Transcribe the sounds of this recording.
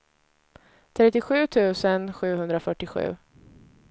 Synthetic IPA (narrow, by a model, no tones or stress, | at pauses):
t̪ʰɾɛt̪ːɪɧʉ̟ːt̪ʰʉ̟ːsənɧʉ̟ːhɵnd̪ɾafœʈːɪɧʉ̟̰ː